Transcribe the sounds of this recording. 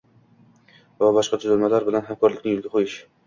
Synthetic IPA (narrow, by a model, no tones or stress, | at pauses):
vabɒʃqɑt̪ʰʊzalmalaɾbɪlanɦamkʰɒɾlɪkʲnɪŋjʊlɡʲaqʰojɪʃ